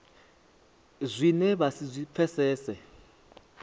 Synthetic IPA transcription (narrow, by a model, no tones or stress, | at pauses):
zʷinɛβasizʷipfʰɛsɛːsɛ